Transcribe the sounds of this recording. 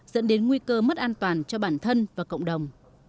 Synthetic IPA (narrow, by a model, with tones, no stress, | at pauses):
zə̰˧˥nɗe˨˦nŋwi˧kəː˧mə˦˥t̚ʔaː˧nt̪waː˨˩nt͡ɕɔ˧ɓaː˧˩nt̪ʰə˧nvaː˨˩kə̰˧˨wŋ͡mɗə˨˩wŋ͡m